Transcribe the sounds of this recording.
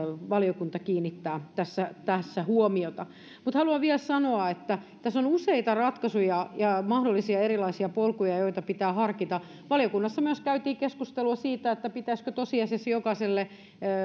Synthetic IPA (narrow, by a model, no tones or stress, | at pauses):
ʋɑliokunt̪ɑkiːnːit̪ːæːt̪æsːæt̪æsːæhuomiot̪ɑ | mut̪hɑluɑʋiælsɑnoɑet̪ːæ | t̪æsonuseit̪ɑrɑt̪kɑsujɑjɑmɑhdolːisiɑerilɑisiɑpolkujɑjoit̪ɑpit̪æːhɑrkit̪ɑ | ʋɑlijokunːɑsːɑmyøskæyt̪iːkeskust̪eluɑsiːt̪æet̪ːæpit̪æskøt̪osiɑsesjokɑselːe